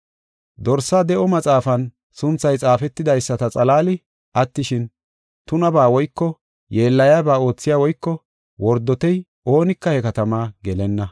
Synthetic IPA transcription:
d̪ɔɾsːaːd̪ɛʔɔmɐt͡sʼaːfɐn | sʊnt͡sːɐjt͡sʼaːfɛt̪ːɪd̪ɐjsːɐt̪ɐt͡sʼɐlaːlɪ | ʔɐt̪ːɪʃɪn | t̪ʊnɐbaːwɔjkːɔ | jeːlːɐjaːbaːo̞ːt͡sːɪjaːwɔjkːɔ | wɔɾd̪ːɔt̪ɛj | ʔo̞ːnɪkːɐhɛkɐt̪ɐmaːɡɛlɛnːɐ

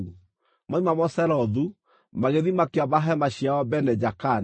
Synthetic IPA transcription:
maimamɔsɛɾɔðu | maɣeðimakeaβaɦɛmaɕiaɔbɛnɛd͡ʒakan

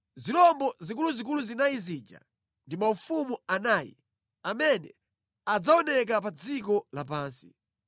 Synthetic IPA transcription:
zilɔmbɔzik̬uluzik̬uluzinajizid͡ʒa̰ | ndimaufumuanaːjḭ | amɛnɛ̰ | ad͡zaɔnɛk̬apad͡zikɔlapaːnsḭ

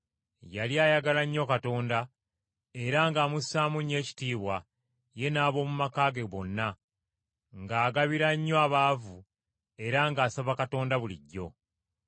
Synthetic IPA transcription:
jaljaːjaɡalaɲːo̞kato̞ːnda | e̞ɾaŋɡaːmusaːmuɲːe̞ːci̥tiːβwa | je̞naːβo̞ːmumakaːɡe̞βo̞nːa | ŋɡaːɡaβiɾaɲːoaβaːvu | e̞ɾaŋɡaːsaβakato̞ːndaβulḭɟːo̞̰

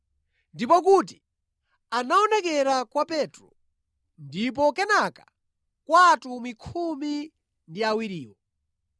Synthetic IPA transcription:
ndipɔk̬uti̥ | anaɔnɛk̬ɛɾakwapɛtɾɔ | ndip̬ɔkɛnakḁ | kwatumikʰumi | ndiawiɾiːwɔ

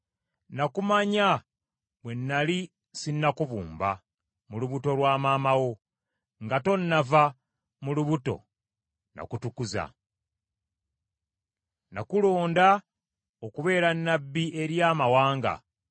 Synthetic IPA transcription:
nakumaɲa | βwe̞nːali | sinːakuβṵːmba | muluβuto̞lwaːmaːmawo̞ | ŋɡato̞nːava | muluβuto̞̰ | na̰kutukuza̰ | na̰kulo̞ːnda | okuβe̞ːɾanːabːie̞ɾjaːmawaːŋɡa̰

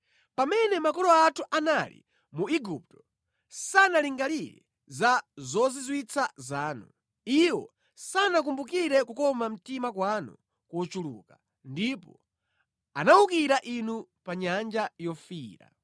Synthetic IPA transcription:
pamɛnɛmakɔlɔatʰuʔanalḭ | muiɡup̚tɔ̥ | sanaliŋɡaliɾɛ̰ | zazɔzizwit͡sʰazaːnu | iwɔ̰ | sanak̬umbukiɾɛkukɔmam̩timakwanṵ | kɔt͡ʃulṵːka | ndipɔ | anaukiɾaʔinupaɲand͡ʒajɔfiːɾa̰

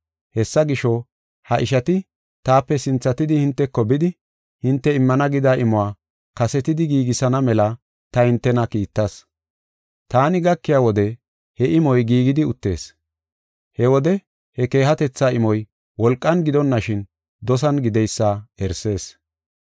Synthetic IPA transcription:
hɛsːɐɡɪʃɔ | hɐʔɪʃɐt̪ɪ | t̪aːpːɛsɪnt͡sːɐt̪ɪd̪ɪhɪnt̪ːɛkːɔbɪd̪ɪ | hɪnt̪ːɛɪmːɐnɐɡɪd̪aːʔɪmɔwaː | kɐsɛt̪ɪd̪ɪɡiːɡɪsɐnɐmɛlɐ | t̪ɐhɪnt̪ːɛnɐkiːt̪ːɐs | t̪aːnɪɡɐkːɪjaːwɔd̪ɛ | hɛʔɪmɔjɡiːɡɪd̪ɪʊt̪ːe̞ːs | hɛwɔd̪ɛ | hɛke̞ːɦɐt̪ɛt͡sːaːɪmɔj | wɔlkʼːɐnɡɪd̪ɔnːɐʃɪn | d̪ɔs̬ɐnɡɪd̪ɛjsːaɛɾse̞ːs

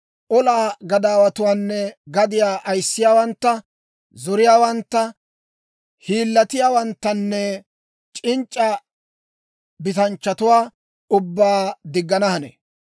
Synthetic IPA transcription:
ʔɔlaːɡɐd̪aːwɐt̪ʊwaːnːɛɡɐd̪ɪjaːʔɐjsːɪjaːwɐnt̪ːɐ | zɔɾɪjaːwɐnt̪ːɐ | hiːlːɐt̪ɪjaːwɐnt̪ːɐnːɛ | t͡ʃʼɪnt͡ʃʼːɐ | bɪt̪ɐnt͡ʃːɐt̪ʊwaː | ʊbːaːd̪ɪɡːɐnɐhɐnḛː

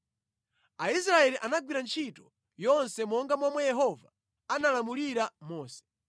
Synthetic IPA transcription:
aisɾaɛliʔanaɡwiɾant͡ʃʰitɔ | jɔnsɛmɔŋɡamamwɛjɛɦɔva | analamuliɾamɔːsɛ̥

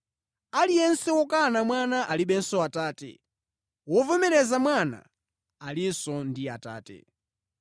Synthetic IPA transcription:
alijɛnsɛwɔkanamwanaʔaliɓɛnsɔataːtɛ̰ | wɔvɛmɛɾɛzamwana̰ | alisɔndiata̰ːtɛ̰

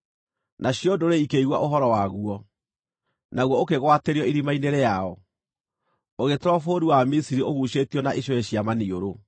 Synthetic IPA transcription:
nʔaɕjodoɾeikeiɣwa̰ʔoɦɔɾɔwaɣuɔ | naɣwɔokeɣwateɾiɔiɾimaineɾejaɔ | oɣetɾɔfoɾiwamisiɾioɣuɕetiɔnaʔeɕɔɛɕiamanioɾo

